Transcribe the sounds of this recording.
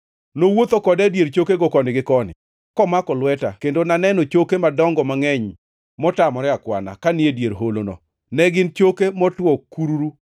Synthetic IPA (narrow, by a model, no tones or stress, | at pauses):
nowot̪okɔdɛdjeɾt͡ʃokeɡɔkɔnɪɡɪkɔnɪ̰ | kɔmakɔlwɛta̰kendonanɛnɔt͡ʃokemadɔŋɡɔmaŋɛɲ | mɔtamɔɾɛakwa̰na̰kaniedjeɾɦolonɔ̰ | nɛɡɪnt͡ʃokemɔtwɔkːuɾuɾu